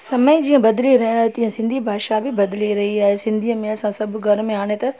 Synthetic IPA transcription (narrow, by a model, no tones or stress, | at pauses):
sɐməid͡ʑiːə̃bɐd̪liɾɐɦjaːɦet̪ĩːə̃sɪ̃nd̪ʱibʱaːʃabɪbɐd̪ɪliɾɐɦiaːɦesɪ̃nd̪ʱiəmẽɐsãsɐbʱʊɡʱɐɾmẽaːɽ̃et̪ɐ